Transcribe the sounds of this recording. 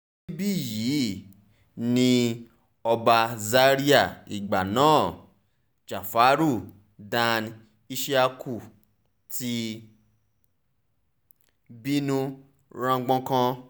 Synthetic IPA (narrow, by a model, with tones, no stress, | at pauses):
i˦bi˦˨ji˨˦ | nĩ˧ | ɔ˧ba˧za˦ɾi˦a˦˨i˨ɡ͡ba˨nãː˨˦˨ | t͡ʃa˨fa˨˦ɾu˦˨ | dã˧n | i˧ʃi˦a˧kʰu˨ | ti˧ | bi˦nũ˦ | ɾã˧ɡ͡bɔ̃˧˦kã˧